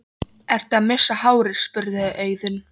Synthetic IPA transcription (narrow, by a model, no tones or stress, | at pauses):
ɛɾ̥t̪aðmɪsːahaːwɾɪɾ̥spʏɾðɪðɪʔœːɥðʏn